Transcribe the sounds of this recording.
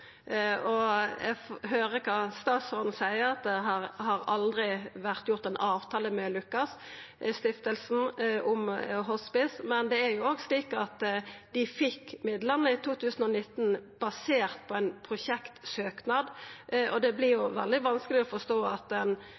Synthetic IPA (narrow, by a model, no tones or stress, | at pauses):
ɔɛ̰ɡfhøːɾəkʰɑst̪ɑːt̪sɔɾn̩sæɪəɾɑt̪̚d̪ɛɦɑɾhɑɾɑld̪ɾɪʋæʁt̪jʊʁt̪ɛnʔɑːʋt̪ʰɑːləmɛlʉkːɑs | st̪ɪft̪əlsn̩ʔʊmɦɔspɪsmɛnd̪ɛæɾjʊoːɡsliːkɑt̪d̪̥ɪfɪkːmɪd̪ləʁnəɪt̪ʰuːt̪ʉːsən̩ɔnɪt̪ːn̩b̥ɑseːʁt̪̚pʰɔɛnpʰɾʊɕɛkt̪søːknɑːd̪ʔɔd̪ɛblɪʁjʊʋɛld̪ɪʋɑnskəlɪɔfɔst̪oːɑt̪ɛn